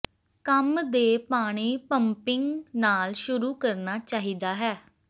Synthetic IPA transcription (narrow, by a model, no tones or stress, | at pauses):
kəmd̪eːpaːɽ̃iːpəmpɪŋɡnaːlʃʊɾuːkəɾnaːt͡ʃaːɦiːd̪aːɦɛː